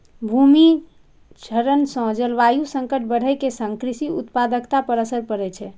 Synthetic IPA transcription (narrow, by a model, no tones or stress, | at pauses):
bʱumi | d͡ʒʰʱəɾənsɔ̃d͡ʒəlʋajusəŋkəʈ̚ʰbəɽ̤əkesə̃ŋkɾisiut̪pad̪əkt̪apəɾəsəɾpəɾɛt͡ʃʰɛ